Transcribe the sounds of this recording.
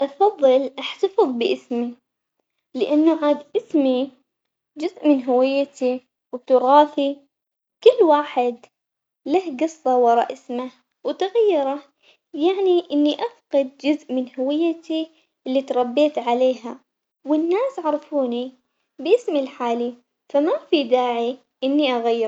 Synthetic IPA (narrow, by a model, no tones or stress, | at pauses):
ʔɑfɑðˤːɨlʔaħt̪ɑfɨðˤbɪʔɪsmi | lɪʔanːuʕaːd̪ʔɪsmi | d͡ʒʊzʔmɪnɦʊwɪjːat̪i | wt̪ʊɣɑːfi | kʊlːwaːħɪd̪ | lahɡɨsˤːɑwɑɾˤɑ̰ʔɪsma | wt̪aɣajːɪɾˤɑ | jaʕniʔɪnːiʔafqɑd̪̚d͡ʒʊzʔmɪnhʊwɪjːat̪i | ʔɪlːit̪ɾˤɑbːeːt̪ʕaleːɦa | wɪnːaːsʕɑɾˤɑfuːni | bʔɪsmilħaːli | famafid̪aːʕi | ʔɪnːiʔaɣajːɪɾˤ